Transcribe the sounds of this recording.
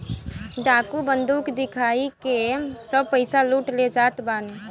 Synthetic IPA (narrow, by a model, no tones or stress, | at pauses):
ɖakubənd̪ukd̪ikʰaikesəb̚pəɪsaluʈled͡ʒat̪ban